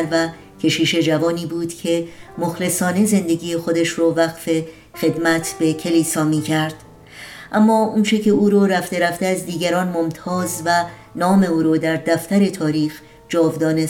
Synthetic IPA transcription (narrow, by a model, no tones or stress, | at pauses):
ɾvæ | cʰe̞ʃiːʃe̞d͡ʒævɒːniːbuːd̪̥cʰe̞moxle̞sɒːne̞ze̞nd̪e̞ɡʲiːjexo̞d̪eʃroːvæɣfe̞ | xe̞d̪mæt̪ʰb̥e̞cʰe̞liːsɒːmiːcʰæɾd̪̥ | ʔæmːɒːunt͡ʃʰe̞cʰe̞uːɾoɾæft̪e̞ɾæft̪eæzd̪iːɡæɾɒːnmo̞mt̪ʰɒːzvæ | nɒːme̞uːɾoːd̪æɾd̪æft̪æɾe̞t̪ʰɒːɾiːx | d͡ʒɒːvd̪ɒːne